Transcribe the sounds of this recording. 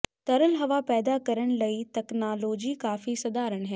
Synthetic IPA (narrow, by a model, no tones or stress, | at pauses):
t̪ɐɾəlɦɐʋapɛːd̪akɐɾəɽ̃̆lɐit̪ɛknaːloːd͡ʑikaːfisɐd̪aːɾəɽ̃ɦɛː